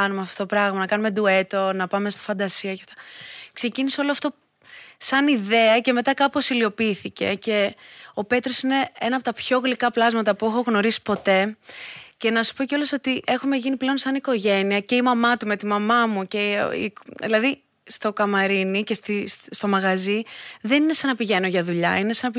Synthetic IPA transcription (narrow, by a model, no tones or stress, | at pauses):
ɐnumeɐft̪oot̪opɾɐɣmɐnɐkɐnume̞d̪ue̞t̪o̞nɐpɐme̞st̪o̥fɐnd̪ɐsiɐjɐft̪ɐ̥kse̞ciniseo̞loɐft̪o̞ | sɐniðe̞ɐce̞me̞t̪ɐkɐpo̞silio̞piiθice̞̰ce̞o̞pe̞t̪ɾo̞sine̞enɐpot̪ɐpço̞ɣlikɐplɐzmɐt̪ɐpuxo̞ɣno̞ɾisi̥po̞t̪e̞ | ce̞nɐsu̥po̞ceoloso̞t̪iʔe̞xume̞ʝiniple̞o̞nsɐniko̞ʝe̞niɐce̞imɐmɐt̪ume̞t̪imɐmɐmuceḭðilɐði | st̪o̞kɐmɐɾinice̞st̪isst̪o̞mɐɣɐziðe̞nine̞sɐnɐpiʝe̞no̞ʝɐðuʎɐine̞sɐnɐp